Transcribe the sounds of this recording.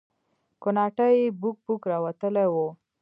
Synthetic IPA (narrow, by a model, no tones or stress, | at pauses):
konɑʈajebuk̚bukɾɑwat̪əlewo